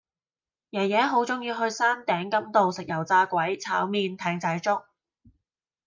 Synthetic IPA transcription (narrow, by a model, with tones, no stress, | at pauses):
jɐ˨˩wjɛː˨˧˥ɦo˨˥wt͡sʊ˨˥ŋjiː˧ɦɵ˧ɥsaː˥nt̪ɛː˨˥ŋkɐ˥mt̪o˨wsɪ˨k̚jɐ˨˩wt͡saː˧kʷɐ˨˥jt͡sʰaː˨˥wmiː˧nt̪ʰɛː˨˧ŋt͡sɐ˨˥jt͡sʊ˥k̚